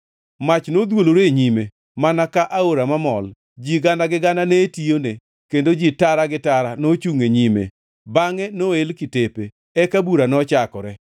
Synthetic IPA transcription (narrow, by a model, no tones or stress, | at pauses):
mat͡ʃnod̪woloɾeɲime | manakaʔaoɾamamɔl | d͡ʒiɡandaɡɪɡandanetione | kendod͡ʒitaɾaɡɪtaɾanot͡ʃuŋeɲimḛ | baŋɛnoelkɪtepe | ɛkabuɾanɔt͡ʃakɔɾɛ